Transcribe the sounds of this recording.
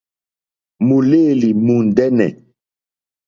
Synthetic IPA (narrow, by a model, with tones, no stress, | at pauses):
mu˨le˦˨li˨mu˨n˨dɛ˦nɛ̰˨